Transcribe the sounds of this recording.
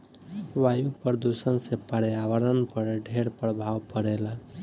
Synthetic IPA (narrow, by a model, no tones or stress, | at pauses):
wajuɡpəɾd̪usənsẽpəɾjaʋəɾənpəɾɖʱeɾpɾəbʱawpəɽela